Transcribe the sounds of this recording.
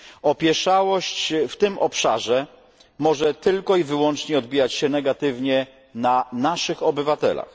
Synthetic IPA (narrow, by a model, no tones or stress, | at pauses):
ɔpʲjɛʂawɔɕt͡ɕft̪ɘmʔɔpʂa̰ʐɛ | mɔʐɛt̪ɘlkɔivɘwɔnt͡ʂɲɛɔd̪bʲijat͡ɕɕɛnɛɡat̪ɘvɲɛ | nanaʂɘxɔbɘvat̪ɛ̰la̰x